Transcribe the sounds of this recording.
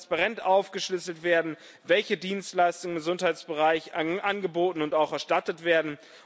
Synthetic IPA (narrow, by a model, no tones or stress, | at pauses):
spaʁɛntʔaʊfɡ̥əʃlʏsl̩tv̥eːɐdn̩ | vɛlçədiːnstlaɪstʊŋɪmŋɡəzʊnthaɪt͡sb̥əʁaɪçʔanɡəboːtn̩ʊntaʊxɛɐʃtatətv̥eːɐdn̩